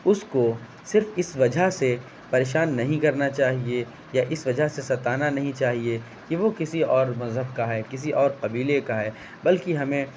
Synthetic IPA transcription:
ʊsko | sɪɾfɪsʋɐd͡ʒʱaɦse | pɐɾeːʃaːnːɐɦĩkɐɾnat͡ʃaːɦie | jaʔɪsʋɐd͡ʒʱaɦsesɐt̪aːnanɐɦĩt͡ʃaːɦie | kiʋokɪsiɔːɾmɐzɦəbkaɦɛːkɪs̬iʔɔːɾqɐbiːlekaɦɛː | bɐlkiɦɐmẽ

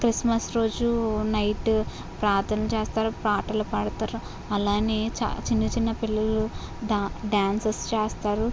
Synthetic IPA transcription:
kɾismɐsɾo̞ːd͡ʒunɐjʈ | pɾaːt̪ʰɐnɐlut͡ʃeːst̪aːɾupɾaːʈɐlɐpɐɽɐt̪aːɾu | ɐlaːneːt͡ʃːt͡ʃinːɐt͡ʃinːɐpilːɐlu | ɖɖaːnsest͡ʃeːst̪aːɾu

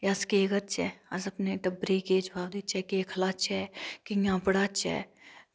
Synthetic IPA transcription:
jaskeːɡəɾt͡ʃɛ̰ɐzɐpneʈɐbɾiked͡ʒbaːwd̪iːt͡ʃɛkeːkʰlaːt͡ʃɛːkiŋãːpɽat͡ʃɛ̰ː

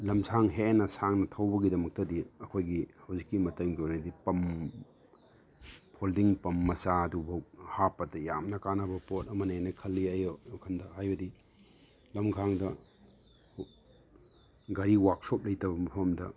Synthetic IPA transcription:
lɐmsʰaŋɦenɐsaŋnɐtʰɐwbɐɡidɐmɐk̚tɐdiɐkʰojɡihɐwzikːimɐtɐŋɡionɐdipɐm | pʰoldiŋpɐmːɐsadubɐw̚hapːɐtɐja̰mnɐkanɐbɐpot̚ɐmɐnenɐkʰɐlːiajoowkʰɐndɐɦajbɐdi | lɐmɡʰaŋdɐ | ɡɐɾiwak̚sop̚lɐjtɐbɐmɐpʰɐmdɐ̰

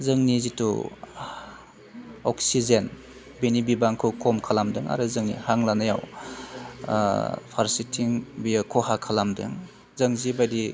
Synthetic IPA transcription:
zɯŋnizitṵ | ɔksizen | binibibaŋkʰɯwkɔmkʰalamdɯŋa̰ɾɯzɯŋnḭhaŋlanajaw | pʰaɾsitʰiŋbijkʰɔhakʰalamdɯ̰ŋ | zɯŋzibajdi

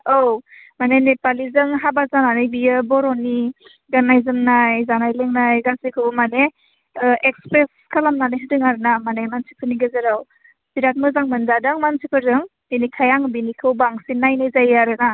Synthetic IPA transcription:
owmanenepalizɯŋɦabazananɯjbijɯbɔɾɔni | ɡanajzɯmnajzanajlɯŋnajɡasikʰɯbɯmane | ekspɾes | kʰalamnanɯjɦɯdɯŋaɾɯnamanemansipʰɯniɡɯzɯɾaw | biɾat̚mɯzaŋmɯnzadɯŋmansipʰɯɾzɯŋ | binikʰajaŋbinikʰɯwbaŋsinajnajzajaɾɯna

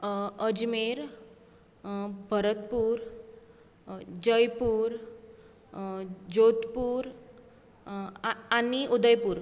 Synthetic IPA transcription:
əd͡ʑmeɾ | bʱəɾət̪̚puːɾ | d͡ʑəjpuːɾ | d͡ʑot̪puːɾ | aniʔud̪əjpuːɾ

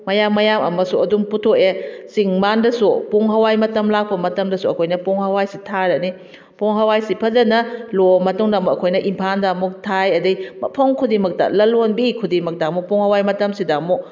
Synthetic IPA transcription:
mɐjamːɐjamɐmɐsuɐdumputʰokesiŋmandɐsupuŋɦɐwajmɐtɐmlak̚pɐmɐtɐmdɐsuɐkʰojnɐpuŋhɐwajsitʰaɾɐni | poŋɦɐwajsipʰɐzɐnɐlomɐtuŋdamukɐkʰojnɐʔimpʰandamuk̚tʰajɐdɐjmɐpʰɐmkʰudimɐk̚tɐ̰lɐlonbikʰudimɐk̚damupoŋhɐwajmɐtɐmsidamu

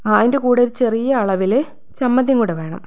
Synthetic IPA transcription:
aːðindekuːɽeɾt͡ɕe̞rijɐːɭɐʋil | t͡ɕɐmːɐðjɐŋkuːɽeʋe̞ːɳɐ̰m

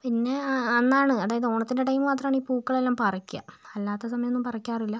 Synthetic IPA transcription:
pinːe̞ɐnːaːɳɨɐðaːjɐðɨo̞ːɳɐt̪ːindeʈ̬ɐjmɨmaːt̪̬rɐmaːɳiːpuːkːɐɭelːaːmpɐrɐkʲːijɐ̰ɐlːaːt̪ːɐsɐmɐjɐonːumpɐrɐkʲːaːrilːɐ

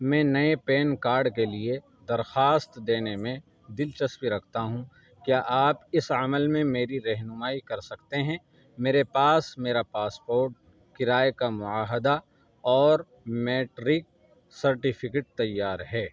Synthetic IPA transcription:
mɛ̃ːnɐepeːnkaːɾɖkelie | d̪ɐɾxaːst̪d̪eːnemẽ | d̪ɪlt͡ʃɐspiɾɐkʰt̪aɦũ | kjaːʔaːpɪsɐməlmẽmeːɾiɾɛɦnʊmaːikɐɾsɐkt̪eɦɛ̃ː | meːɾepaːsmeːɾapaːspoːɾʈ̚ | kɪɾaːekamʊaːɦəd̪a | ɔːɾ | meːʈɾɪk̚ | sɐɾʈɪfʰɪkeʈ̚t̪ɐjːaːɾɦɛː

